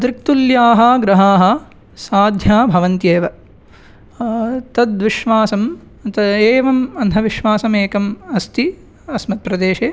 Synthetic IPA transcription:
ɐd̪ɾɪk̚t̪uljaːɦɐɡɾɐɦaːɦɐ̆ | saːd̪ʱjaːbʱɐʋɐnt̪jeːʋɐ | t̪ɐd̪ʋiʃʋaːsɐm | t̪ɐeːʋɐmɐnt̪ʰɐʋiʃʋaːsɐmeːkɐmɐst̪ʰi | ɐsmɐt̪̚pɾɐd̪eːʃeː

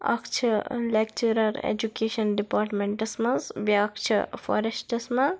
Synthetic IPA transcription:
ɐ̰kt͡ʃʰɐlek̚t͡ʃuɾɐɾḛd͡ʒukeːʃɐnɖipaːɾʈmẽɳʈɐsmɐzbjakt͡ʃʰḭfɔ̰ɾesʈɐsmɐ

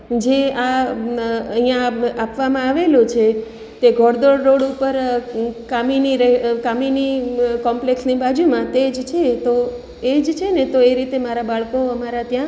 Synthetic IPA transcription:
d͡ʒea | əɦĩjãapʋamãaʋelũt͡ʃʰe | t̪eɡʱɔɽd̪oɽːoɽupəɾkaminiɾɛkaminikɔmpleksnibad͡ʒumãt̪ed͡ʒt͡ʃʰet̪o | ed͡ʒt͡ʃʰenet̪oeɾit̪emaɾabaɭkoəmaɾat̪jã

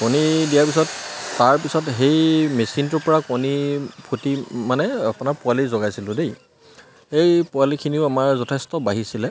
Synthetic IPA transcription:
konidijaɹpisɔtːaɹpisɔtɦejmesintɔɹpɔɹakonipʰutimanɛapʊnaɹpʊalizɔɡajsilʊ̃dej | xejpʊalikʰiniʊamaɹzɔtʰɛstɔbaɦisilɛ

